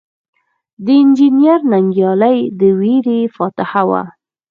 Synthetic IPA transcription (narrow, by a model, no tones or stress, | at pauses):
d̪əɪnd͡ʒinjaɾnaŋɡjɑlajd̪əweɾefɑt̪ɪhawa̰